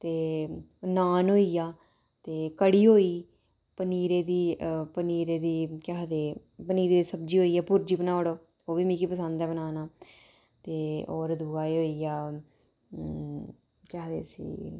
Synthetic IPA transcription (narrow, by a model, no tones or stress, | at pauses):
t̪eː | naːnɦoːiːjaː | t̪eːkəɽiːɦoːiː | pəniːɾeːd̪iːpəniːɾeːd̪iːkɛɦd̪eː | pəniːɾeːd̪iːsəbd͡ʒiːɦoːiːɛːpʊɾd͡ʒiːpənaːoɽoː | oːʋiːmĩːkiːpəsə̃nd̪ɛːbənaːnaː | t̪eːoːɾd̪uɡaːiːɦoːiːaː | kɛɦd̪ḛːsḭː